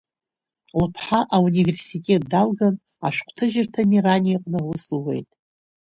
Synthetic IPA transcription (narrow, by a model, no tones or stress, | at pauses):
lɨpʰħaʔaunʲive̞rsitʼe̞t̚ʼdalɡan | a̰ʃᶣʷqʷʰtʰɨʒɪrtʰamiranʲijaqʼnɨwʊsɨwe̞̰jtʼ